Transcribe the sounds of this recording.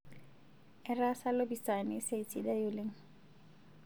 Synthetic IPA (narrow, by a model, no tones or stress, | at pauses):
ɛrasalobisanɪseit͡sidajuleŋ̩